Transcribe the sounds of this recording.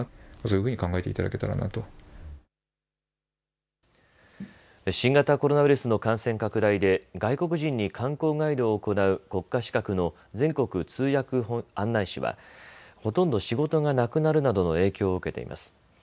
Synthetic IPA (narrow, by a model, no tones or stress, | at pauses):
soːjɯɯ̟ːɲ̟ikãŋɡaet̪e̞it̪ad̪a̰ke̞t̪aɾa̰na̰t̪o | ɕĩŋɡat̪ako̞ɾo̞naβ̟iɾɯ̟sɨno̞kãɰ̃sẽ̞ŋkakɯ̟d̪aid̪e̞ɡaiko̞k̬ɯ̟ʑĩɲ̟ːikʰãŋko̞ːɡaid̪o̞ːko̞naɯ̟ko̞kːaɕi̥kakɯ̟no̞ | d͡zẽ̞ŋko̞kɯ̟t͡sɨːjakɯ̟hoãnːaiɕḭβa̰ho̞t̪õ̞nd̪o̞ɕiɡo̞t̪o̞ŋanakɯ̟naɾɯ̟nad̪o̞no̞e̞ːkʲo̞ːɯ̟ke̞t̪e̞̰ḭmʔa̰sɨ̥